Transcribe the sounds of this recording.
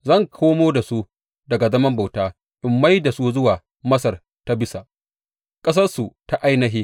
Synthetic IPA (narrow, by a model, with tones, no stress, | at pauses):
zɐ˦˨ŋkʷʰoː˦moː˦da˨su˦ | dɐ˨ɡa˨zɐ˦mɐ˦mba˨wtaː˦ | ʔɪ˨mːa˦jda˨su˦zʊ˦waː˨ | mɐ˦sɐ˨r | ta˦bɪ˦sa˨ʔ | kʼɐ˦s̬ɐ˦rsu˨ta˦ʔa˦jnɐ˦ɦiː˦